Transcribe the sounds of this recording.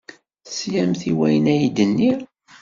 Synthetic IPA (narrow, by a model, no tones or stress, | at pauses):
sjæmθiwæjənæjid̪ənːi